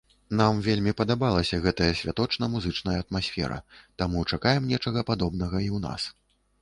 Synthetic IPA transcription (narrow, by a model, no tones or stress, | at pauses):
n̪amvʲelʲmʲipɐd̪abalˠɐsʲɐɣɛt̪ɐjɐsʲvʲat̪ɔt͡ʂnɐmuzɨt͡ʂnɐjɐːt̪masʲfʲɛ̰ɾɐ̰t̪amut͡ʂakajɛmnʲɛt͡ʂɐɣɐpad̪ɔbnɐɣɐiwna̰s